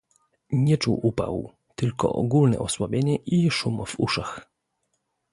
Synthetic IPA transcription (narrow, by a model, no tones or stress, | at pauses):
ɲɛt͡ʂuwʔupa̰w | t̪ɘlkɔ̰ʔɔɡulnɛ̰ʔɔswabʲjeɲɛʔiʂumv̥ṵʂax